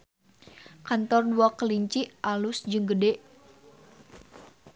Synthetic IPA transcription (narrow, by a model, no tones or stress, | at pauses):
kant̪ɔrduakəliɲt͡ʃiʔʔalʊsd͡ʒɨŋɡədɛʔ